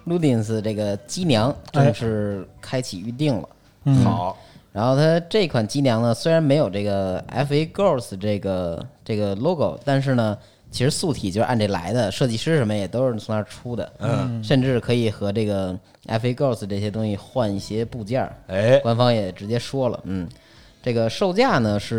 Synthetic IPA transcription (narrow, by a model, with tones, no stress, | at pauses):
lu˥˩t̪̬i˥˩ns̩˧ʈ͡ʂɤ˥˩ɡə˩t͡ɕi˥njɑ˧˥ŋʈ͡ʂə˥˧ʂɻ̩˥˩kʰa˥ɪt͡ɕʰi˨˩y˥˧t̪̬i˥˩ŋlə̰˩˨˩ | ɻa˧˥nxo˥˩ʊt̪ʰa˥ʈ͡ʂɤ˥˩i˧˥kʰwa˨˩nt͡ɕi˥njɑ˧˥ŋnə˧swe˥ɪɻa˧˥nme˧˥ɪjo˨˩ʊʈ͡ʂɤ˥˩ɡə˩a̰˥fe˥ɪko˥˩sʈ͡ʂɤ˥˩ɡə˩ʈ͡ʂɤ˥˩ɡə˩lo˥ʊko˨˩ʊt̪a˥˧nʂ̬ɻ̩˥˩nə˩ | t͡ɕʰi˧˥ʂɻ̩˧˥su˥˩t̪ʰi˨˩t͡ɕo˥˧ʂ̩˥˧a˥˧nʈ͡ʂə˥˩la̰˧˥ɪd̪ə˧ʂɤ˥˧t͡ɕi˥˧ʂɻ̩˥ʂə˧˥nmə˧jɛ˨˩t̪o˥ʊʂɻ̩˥˩t͡sʰʊ˧˥ŋt̪ʰa˥ʈ͡ʂʰu˥d̪ə̰˨ʂə˥˧nʈ͡ʂɻ̩˥˩kʰɤ˧˥i˨˩xɤ˧˥ʈ͡ʂɤ˥˩ɡə˩ | a̰˧˥fɪko˥˩sʈ͡ʂɤ˥˩ɕjɛ˥t̪ʊ˥ŋɕi˧xwa˥˧ni˥˩ɕjɛ˥pu˥˧t͡ɕjɑ˥˩˥kwa˥nfɑ˥ŋjɛ˨˩ʈ͡ʂɻ̩˧˥t͡ɕjɛ˥ʂwɔ˥lə̰˨˩n̩˥˩ | ʈ͡ʂɤ˥˩ɡə˩ʂo˥˧ʊt͡ɕja˥˩nə˩ʂɻ̩˥˩